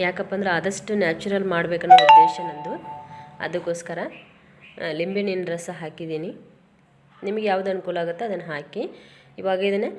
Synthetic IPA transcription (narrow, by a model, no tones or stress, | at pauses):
jaːkɐpːɐnd̪ɐɾeɐd̪ɐʂʈunjaːt͡ʃuɾɐlmaːɽbeːkɐnːɐɐeːʃɐnɐnd̪uɐ̰d̪ukːoːskɐɾɐ | limbininɾɐsɐɦaːkid̪iːni | nimɐɡejaːʋd̪uɐnukuːlɐaːɡut̪ːeɐd̪ɐnːɐɦaːkiː | ʋaːɡɐid̪ɐne